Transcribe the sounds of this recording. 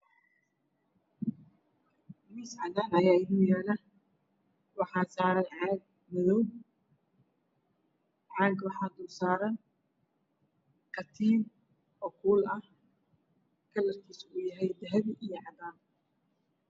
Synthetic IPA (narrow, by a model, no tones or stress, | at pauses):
misʕɑðaːnɐjaːɪðiːjɛːlɐ | wɑħɑːsaːɾɐnʕɑːɡ̚ | mɐðɔw | ʕɑːɡwɑħɑːd̪ʊsaːɾɐn | kʰɐt̪ʰiːm | ʔɔːkʰuːlɐh | kʰɐlːɐrkʰiːsʊjɐɦɛjd̪ɐɦɛβʔijɞʕɑd̪aːn